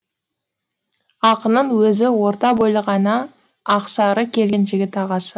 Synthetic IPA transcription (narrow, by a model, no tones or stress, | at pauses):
ɑqənəɴwɵzɪwo̞ɾt̪ɑbojlˠəʁɑnɑː | qsɑɾəkʲʰe̞lɡʲenʒɪɡʲɪt̪ɑʁɑsə